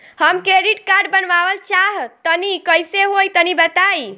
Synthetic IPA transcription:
həmkɾeɾiʈkaɾɖbənʋabəlt͡ʃaɦt̪ənikəjseɦojt̪ənibət̪aj

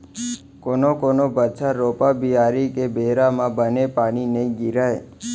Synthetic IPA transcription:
konokonobət͡ʃʰaɾopabʱiaɾikebeɦɾamãbənepaɽ̃ineɡiɾaj

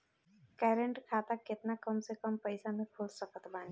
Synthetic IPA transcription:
kɛːɾəɳʈkʰaːt̪akɪt̪nakəmsekəmpəjsamẽkʰolsəkət̪baːni

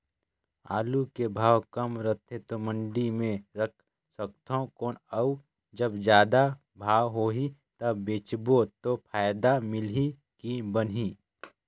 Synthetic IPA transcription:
a̰ːlukebʱaːwkɐmɾət̪ʰet̪omə̃ɳɖimẽɾək̚ʰ | sək̚t̪ʰokoːnau | d͡ʒəbd͡ʒjaːd̪a | bʱaːwɦoːɦit̪ɐbːeːt͡ʃbot̪opʰaːjd̪amɪli | kibənɦi

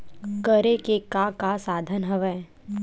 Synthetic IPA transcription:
kəɾekekakasaːd̪ʱənɦəʋɛː

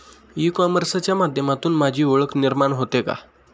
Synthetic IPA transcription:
ikɔməɾsat͡ɕjamad̪ʱjəmat̪uːnmad͡ʑʱiːoɭəkniɾmaɳɦot̪eka̰

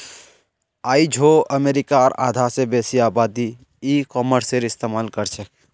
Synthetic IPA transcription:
aːid͡ʒʱoəmeːɾikaɔːɾa̰ːd̪ʱasebesiaːbad̪i | ikɔːməɾseɾɪst̪emaːlkəɾt͡ʃʰɛk

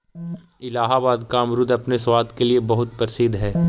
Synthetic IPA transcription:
ɪlaːɦabaːd̪kaɐmɾʊd̪ɐpneswaːd̪keliebɐɦʊt̪̚pɾɪsɪd̪ɦɛː

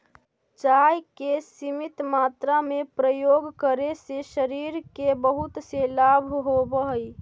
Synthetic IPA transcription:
t͡ʃajkesimit̪mat̪ɾamepɾəjoɡkəɾeseʃəɾiɾkebəɦut̪selabʱɦobəɦəj

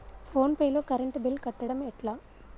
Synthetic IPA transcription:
pʰo̞ːnpɐjlo̞ːkɐɾɐɳʈbilkɐʈːɐɽɐmɛʈlaː

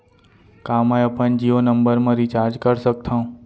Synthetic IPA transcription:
kãːmajopənd͡ʒiːonəmbəɾmãɾit͡ʃaːɾd͡ʒkəɾsək̚t̪ʰãũ

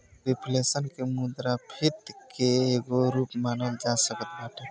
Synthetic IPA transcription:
ɾepʰlesənkemud̪ɾapʰit̪keːɡoɾupmanəld͡ʒasəkət̪̚baʈʰe

